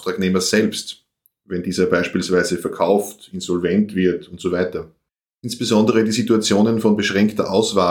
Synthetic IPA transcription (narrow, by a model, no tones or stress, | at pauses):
tʁ̥aːkneːmɐz̥ɛlpst | vɛndiːzɐbaɪʃpiːlsv̥aɪzəfɛɐkʰaʊftɪnzɔlvɛntv̥ɪɐtʊntz̥oːvaɪtɐ | ʔɪnsb̥əzɔndəʁədiːzituat͡sjoːnənfɔnbəʃʁɛŋktɐʔaʊsv̥aː